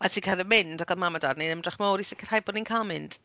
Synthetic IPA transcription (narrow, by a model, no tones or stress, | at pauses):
atʰiːkʰaɾəmɪndɔɡʰalˠmamadarnenəmdraχmoːɾisɪkʰər̥hajbɔdninkʰamɪnd̥